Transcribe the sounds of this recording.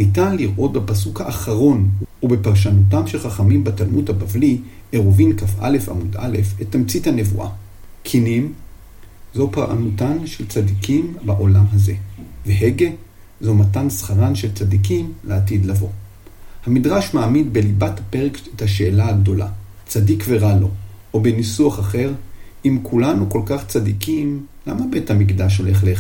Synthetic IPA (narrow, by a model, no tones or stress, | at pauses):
nitanliʁʔo̞t̚bepas̬ukhaʔːχaʁo̞nube̞paʁʃ̬anotamʃelχaχamimbatalmudhabavli | eʁovinkafʔa̰le̞fa̰muda̰le̞fetːamt͡sithane̞vṵʔa̰ | kʰinim | zopaʁʔa̰nutanʃelt͡sadikimbaʔo̞lamɦaze̞veɦeɡe̞ | zomatansχaʁanʃe̞lt͡sadikimleatid̪lavo̞̰ | hamidʁaʃmaːmidbe̞libathapeʁekethaʃe̞ːlaaɡdo̞la̰ | t͡sadikve̞ʁalo̞obenisuaχaχe̞ʁ | imkʰulanuko̞lkaχt͡sadikimlamabe̞thamikdaʃ̬oleχle